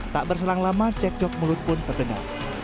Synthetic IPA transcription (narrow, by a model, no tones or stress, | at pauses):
t̪aʔbərs̬əlaŋlamat͡ʃɛk̚d͡ʒɔk̚mulʊt̪̚pʊnt̪ərdəŋa̰r